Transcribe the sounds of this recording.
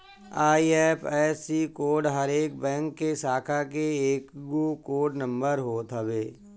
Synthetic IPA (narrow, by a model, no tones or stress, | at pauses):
aːiɛːpʰɛːsikoːɖɦəɾeːk̚bɛ̃ːŋkːesaːkʰakeeːkɡuːkoːɖnə̃mbəɾɦoːt̪ʰɦəbeː